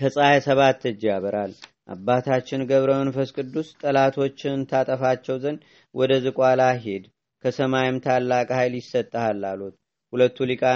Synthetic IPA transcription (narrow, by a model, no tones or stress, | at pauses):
kʰəsʼajasəβat̪ːɨd͡ʒːjaβəɾal | ʔa̰bːat̪ʰat͡ʃːɪnɡəβɾəmənfəskʼɨd̪ːust̪ʼəlat̪ʰo̞t͡ʃːɪnt̪ʰat̪ʼəfat͡ʃːɛwzən | wʔɔd̪əzɨkʼwalaɦe̞d̪ | kʰəsəmajɪmt̪ʰalːakʼhajljɪsːət̪ʼːəhalːalut̪̚ | hulət̪ːulikʼa